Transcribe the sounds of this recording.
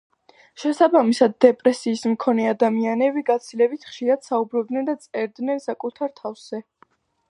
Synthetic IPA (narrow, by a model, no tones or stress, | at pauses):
ʃɛsabamisad̪ːɛpʼɾɛsiːsmkʰɔnɛad̪amianɛbiɡat̪sʰilɛbit̪ʰχʃiɾad̪̥saubɾɔb̚d̪nɛnd̪at̪sʼɛɾd̪nɛnsakʼut̪ʰaɾt̪ʰafz̥ɛ